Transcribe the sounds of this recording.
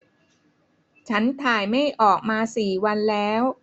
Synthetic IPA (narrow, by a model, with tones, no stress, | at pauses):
t͡ɕʰa˦˥nt̪ʰaː˨˩jma˥˩jʔɔː˨˩k̚maː˧siː˨˩wa˧nlɛː˦˥w